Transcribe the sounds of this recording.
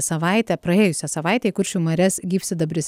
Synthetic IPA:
sɐʋɑˑɪt̪ʲɛpɾɐeːjʊsʲɛsɐʋɑˑɪt̪ʲɛːikʊɾʲʃʲuːmɐɾʲɛsɡʲiːpʲsʲɪd̪ɐbʲɾʲɪsʲ

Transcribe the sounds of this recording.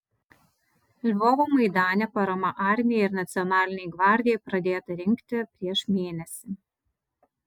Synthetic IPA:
lʲbɔːʋoːmɐɪd̪ɑːnʲɛpɐɾɐmɐʔɑˑɾʲmʲɪjɛɪɾnɐt̪sʲɪɔnɑːlʲɪnʲɛɪɡʋɑˑɾʲd̪ʲɪjɛɪpɾɐd̪ʲeːt̪ɐɾʲɪŋʲkt̪ʲɪpʲɾʲiɛʃmʲeːnʲɛsʲɪ

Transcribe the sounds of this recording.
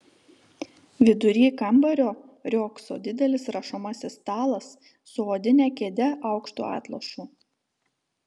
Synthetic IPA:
ʋʲɪd̪ʊɾʲiːkɐmbɐɾʲoː | ɾʲoːkso̰ːd̪ʲɪd̪ʲɛlʲɪsɾɐʃomɐsʲɪst̪ɑːlˠɐsː | ʊoːd̪ʲɪnʲæːkʲeːd̪ʲɛʔɑˑʊkʃt̪ṵːɑ̰ːt̪lˠɐʃuː

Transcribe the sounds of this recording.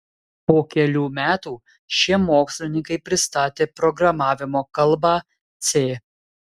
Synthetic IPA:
poːkʲɛlʲuːmʲæːt̪uː | ʃʲiɛmoːksʲlʲɪnʲɪŋkɐɪpʲɾʲɪst̪ɑːt̪ʲeːpɾɔɡɾɐmɑːʋʲɪmoːkɐlˠˑbɑː | t̪sʲeː

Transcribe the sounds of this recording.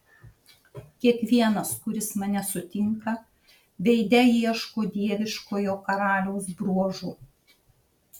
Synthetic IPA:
kʲiɛkʋʲiɛnɐskʊɾʲɪsmɐnʲɛsʊt̪ʲɪŋkɐ | ʋʲɛɪd̪ʲɛjiɛʃkoːd̪ʲiɛʋʲɪʃkoːjoːkɐɾɑːlʲɛʊsbɾuɔʒuː

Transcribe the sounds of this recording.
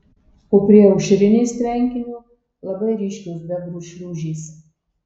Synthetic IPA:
oːpʲɾʲiɛɔʊʃʲɪɾʲɪnʲeːsʲt̪ʲɾʲɛŋʲkʲɪnʲu | lˠɐbɐɪɾʲiːʃʲkʲosd̪ʲɛbɾuːʃʲɾʲuːʒʲiːs

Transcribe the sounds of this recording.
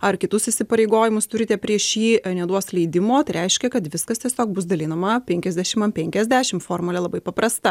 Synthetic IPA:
ɐrkʲɪt̪ʊsɪsʲɪpɐɾʲeɪɡoːjɪmʊst̪ʊɾʲɪt̪ʲɛpʲɾʲiɛʃiːnʲɛd̪uɔslʲɛɪd̪ʲɪmoːt̪ɐɪɾʲɛɪʃʲkʲɛkɐt̪ʋʲɪskɐst̪ʲiɛsʲoːkbʊsd̪ɐlʲiːnɐmɐpʲɛŋʲkʲɛzʲd̪ʲæːʃʲɪmɐnpʲɛŋʲkʲɛzʲd̪ʲæːʃʲɪmfoːrmʊlʲɛlˠɐbɐɪpɐpɾɐst̪ɐ

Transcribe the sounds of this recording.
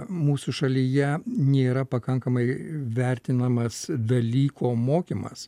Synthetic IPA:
muːsuʃɐlʲijɛnʲeːɾɐpɐkɐŋkɐmɐɪʋʲɛɾʲt̪ʲɪnɐmɐsd̪ɐlʲiːkoːmoːkʲimɐ̰s

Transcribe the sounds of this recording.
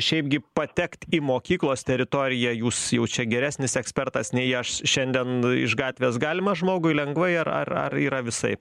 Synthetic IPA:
ʃʲɛɪpɡʲɪpɐt̪ʲɛkt̪ʲimoːkʲiːklˠoːst̪ʲɛɾʲɪt̪oːɾʲɪjɛjuːsjɛʊt͡ʃʲɛɡʲɛɾʲæːsʲnʲɪsɛksʲpʲɛrt̪ɐsnʲɛɪɐʃʃʲɛnʲd̪ʲɛnɪ̰ʃɡɑːt̪ʲʋʲeːsɡɑːlʲɪmɐʒmoːɡʊɪlʲɛŋɡʋɐɪɐrɐ̰rɐ̰riːɾɐʋʲɪsɐ̰ɪp

